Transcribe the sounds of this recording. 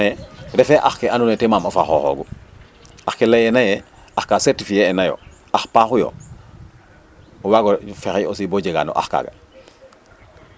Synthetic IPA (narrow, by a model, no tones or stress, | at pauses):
eɾefeʔaxkeanunetemamofaxoxo̰ɡu | axkelejenaje | axkasetifijeːnajo̰ | axpaxujo̰ | owaɡofexeosiboɟeɡa̰no̰ʔa̰xka̰ːɡa̰